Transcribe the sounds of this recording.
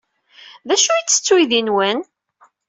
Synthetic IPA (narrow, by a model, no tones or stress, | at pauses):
ðæʃuit͡sːə̥t͡sːwijðinwæn